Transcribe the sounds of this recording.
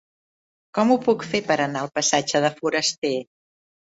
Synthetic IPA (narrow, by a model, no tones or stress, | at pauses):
kɔmupukfepəɾənaəlˠpəsad͡ʒəðəfuɾəst̪e